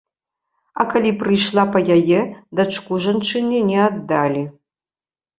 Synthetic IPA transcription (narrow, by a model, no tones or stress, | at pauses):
akɐlʲiprɨjʂlˠapɐjajɛd̪ɐʈ͡ʂʰkʷuʐɐnʈ͡ʂʰɨnʲinʲɛad̪ːalʲi